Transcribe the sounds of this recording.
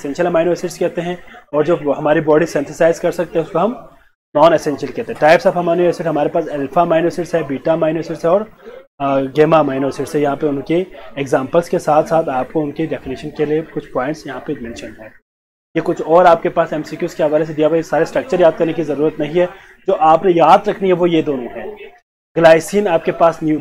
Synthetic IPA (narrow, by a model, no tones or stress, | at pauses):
esɛ̃nʃəlmaːɪnoːsɪʈskɛɦt̪eɦɛ̃ɔːɾd͡ʒoːɦɐmaːɾibɔːɖisɛ̃nt̪ʰɪsaːɪzkɐɾsɐk̚t̪ẽɦɛ̃ʊskoɦɐm | nɔːnesɛ̃nʃiəlkɛɦt̪ẽɦɛ̃ʈaːɪpsabɦɐmaːnoesɪʈɦɐmaːɾepaːsɛːlfʰamaːɪnoːsɪʈsɦɛbiːʈamaːɪnoːsɪʈsɦɛɔːɾ | ɡeːmamaːɪnoːsɪʈsɦɛjɐɦãpeʊnkeeɡzãːmpəlskesaːt̪ʰsaːt̪ʰaːp̚koʊnkeɖɛfɪniʃənkeliekʊt͡ʃʰpɔːɪ̃ɳʈsjɐɦãpemɛ̃nʃənɦɛː | jekʊt͡ʃʰɔːɾaːp̚kepaːsɛːmsikjuːskeɦɐʋaːles̬ed̪ijabsaːɾesʈɾɐk̚t͡ʃəɾjaːd̪̚kɐɾnekizɐɾuːɾət̪nɐɦĩɦɛ | d͡ʒoːʔaːpnejaːd̪ɾɐkʰniɦɛʋojed̪oːnõɦɛ̃ː | ɡɐlaːɪsiːnaːp̚kepaːsnjuː